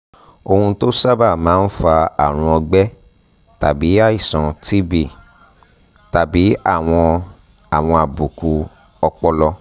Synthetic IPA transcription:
o˧hũ˧to˦sa˦ba˦˨mãː˨˦n̩˦fa˧a˨ɾ̃ũ˧ɔ˧ɡ͡bɛ˦ | ta̰˨bi˨˦a˦i˦˨sɔ̃˨ti˦bi˦˨ | ta˨bi˨˦a̰˦˨w̃ɔ̃˧ | a˨w̃ɔ̃˧a˨bu˨ku˧ | ɔ˧k͡pɔ˧lɔ˧

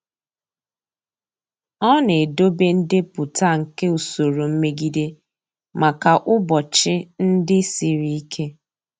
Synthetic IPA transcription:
ɔ˦ne˨do˦be˦n̩˦dɪ˦pʊ˨ta˦˨ŋ̩˨ke˦u˨so˨ɾo˨m̩˦me˦ɡi˦de˦ | ma˨ka˨ʔʊ˦bɔ˨t͡ʃɪ˦n̩˦dɪ˦si˨ɾi˨i˦kʰe˦

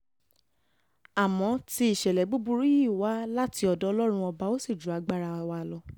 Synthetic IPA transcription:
a˨mɔ̃˨˦ti˧i˨ʃɛ˨lɛ˨˦ɡ͡bu˦bu˧ɾi˦ji˦˨wa˨˦la˦ti˧ɔ˧˨dɔ˦ɔ˧lɔ˦ɾ̃ũ˧ɔ˧ba˧o˦si˦˨d͡ʒu˨a˨˧ɡ͡ba˦ɾa˧˨wa˧˨lɔ˧

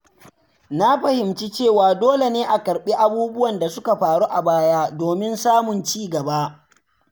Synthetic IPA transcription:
na˦ɸɐ˨hɪ˨mt͡ʃi˦t͡ʃeː˦˨waː˨doː˦le˨neː˦ʔa˨kɐ˨ɾɓeː˦ʔa˨buː˦bʊ˦wɐ˨nda˨sʊ˦ka˨ɸaː˨ɾu˦ʔa˨baː˦jaː˦doː˨mɪ˦nsaː˦mʊ˨nt͡ʃiː˦˨ɡɐ˨ba˦

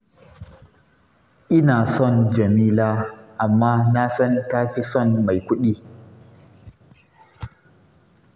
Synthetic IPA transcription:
ʔɪ˦naː˨sɔ˦˨nd͡ʒɐ˨miː˦laː˦ʔa˨mːaː˦na˦sɐ˦ŋtaː˦ɸi˦sɔ˦˨nma˨jkʷʊ˦ɗiː˦

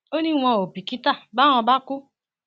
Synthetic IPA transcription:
o˦nĩ˦ŋʷɔ̃˧˨o˨pi˨ki˦ta˦˨ba˦nɔ˧ba˦kʊ˦

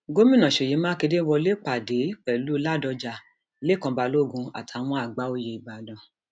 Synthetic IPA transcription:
ɡo˦mĩ˦nã˨ʃe˨je˨˦mãː˦ke˧de˦wɔ˧le˦k͡pa˨de˨˦k͡pɛ˨lu˨˦la˦˨dɔ˧d͡ʒa˧˨ | le˦˨kã˧ba˧lo˦˨ɡũ˧a̰˨tʰa˨˧w̃ɔ̃˧a˨ɡ͡ba˨˦o˧je˧i˨ba˨dɔ̃˨˧

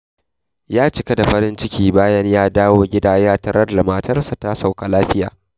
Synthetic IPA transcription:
jaː˦t͡ʃɪ˨kɐ˦da˨ɸɐ˦ɾɪ˦nt͡ʃɪ˦kʲiː˦baː˦jɐ˦ɲjaː˦daː˦woː˦ɡʲɪ˦daː˦jaː˦tɐ˦ɾɐ˦rlɐ˨maː˨tɐ˦rsa˨ta˦sa˨wka˨laː˦ɸɪ˦jaː˨

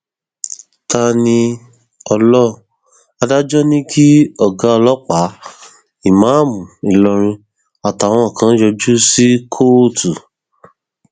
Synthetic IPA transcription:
ta˧nĩ˧ | ɔ˧lɔ˦˨ | a˧da˦d͡ʒɔ˦nĩ˦kʰi˦ɔ˦˨ɡa˨˦ɔ˧lɔ˦k͡pa˨˦ | i˦˨mã˨˦˨mũ˨i˨lɔ˧ɾ̃ĩ˧ | a˨ta˨w̃ɔ̃˧˦˨kã˨˦jɔ˧d͡ʒu˦si˦kʰo˦˨tu˨

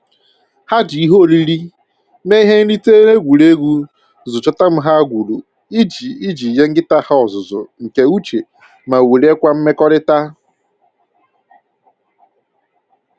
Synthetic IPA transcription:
ha˦di˨i˦ɦo˦˨li˦ɾi˦ | me˦i˦ɦe˦ŋ̩˦li˦te˦ne˦ɡʷu˨ɾe˦ɡu˦ | zʊ˨t͡ʃɔ˦ta˦m̩˦ɦa˦ɡʷu˨ɾu˨ | i˦d͡ʒi˨i˦d͡ʒi˨je˦ŋ̩˦ɡɪ˦ta˦ha˦ɔ˨zʊ˨zʊ̰˨ŋ̩˨ke˨u˦t͡ʃe˨ | ma˨we˨ɾe˦kʷa˦m̩˦me˦kɔ˦ɾɪ˦ta˦

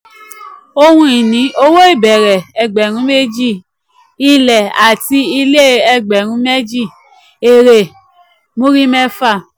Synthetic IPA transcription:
o˧hũ˧˦i˨nĩ˨˦o˦wo˦i˦˨bɛ˨ɾɛ˨ɛ˨ɡ͡bɛ˨ɾ̃ũ˨˦me˦d͡ʒi˦˨ | i˨lɛ˨a˨ti˧˦i˧le˦ɛ˦˨ɡ͡bɛ˨ɾ̃ũ˨˦me˦d͡ʒi˦˨ | e˨ɾe˨ | mõ˦ɾi˦mɛ˦fa˦˨

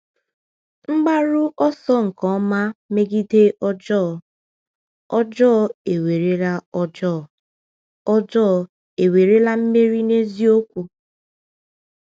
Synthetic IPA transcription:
ŋ͡m̩˦ɡ͡ba˦ɾʊ˦ʔɔ˦sɔ˦ŋ̩˨kɔ˨˦ma˦me˦ɡi˦de˦ʔɔ˦d͡ʒɔ˦˨ | ɔ˦d͡ʒɔ˦˨e˨we˨ɾe˦la˦ɔ˦d͡ʒɔ˦˨ | ɔ˦d͡ʒɔː˦˨ | e˨we˨ɾe˦la˦m̩˦me˦ɾi˦ne˦zi˦o˦kʷu˨

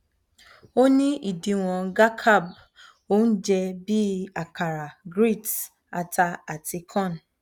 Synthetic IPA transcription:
o˦nĩ˦ʔi˦˨di˨˧w̃ɔ̃˧ɡa˦kʰa˦˨b | o˦n̩˦d͡ʒɛ˧bi˦a˨ka˨ɾa˨ɡɾi˦˨t | a˧ta˧a˨ti˧kʰɔ̃˦˨n˨

